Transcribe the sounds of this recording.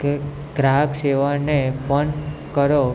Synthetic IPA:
ɡɾakʃeʋanepʰənkəɾo

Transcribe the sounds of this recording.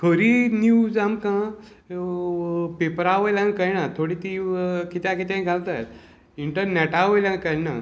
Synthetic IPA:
kʰəɾinud͡zamkã | pepəɾaʋəjlãnkəjnat̪ʰoɽit̪ikit̪jãkit̪ãjɡʱalt̪a | iɳʈəɾnɛʈaʋəjlãnkəjna̰

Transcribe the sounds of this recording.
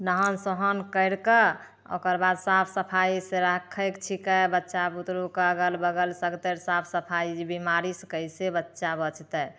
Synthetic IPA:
nəɦənsɔɦənkəɪɽkə | o̰kəɾbad̪sapʰsəpʰajiseɾəkʰːəkt͡ʃʰikəbətːʃabut̪ɾukaɡəlbəɡəlsəɡt̪eɾsapʰsəpʰaibimaɾiskəjsebətːʃabət͡ʃʰt̪ə

